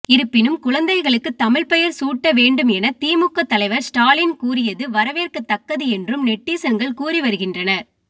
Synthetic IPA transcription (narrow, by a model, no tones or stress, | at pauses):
ɪɾɯpːɪnɯmkʊɻɐnd̪ɐɪɣɐɭɯkːɯt̪ːɐmɪɭpɛjɐɾsuːʈːɐʋeːɳɖɯmɛnɐt̪iːmɯkːɐt̪ːɐlɐɪʋɐɾsʈaːlɪnkuːɾɪjɐðɯʋɐɾɐʋeːrkɐt̪ːɐkːɐðɯɛndrɯmnɛʈːiːsɐŋɡɐɭkuːriʋɐɾɯɣɪndrɐnɐ